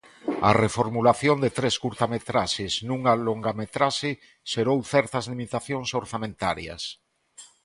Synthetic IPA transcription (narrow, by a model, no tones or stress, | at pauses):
a̰refoɾmulaθjond̪et̪ɾeskuɾt̪amet̪ɾaʃesnũŋaloŋɡamet̪ɾaʃe | ʃeɾowθɛɾt̪ɐzlimit̪aθjoŋsoɾθamẽnt̪aɾjɐ̰s